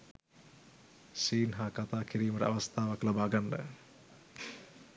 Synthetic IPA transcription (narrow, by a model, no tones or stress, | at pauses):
siːnɦakat̪aːkʰiɾiːmɐɾə̰a̰ʋɐst̪ʰaːʋaklabaːɡandə̰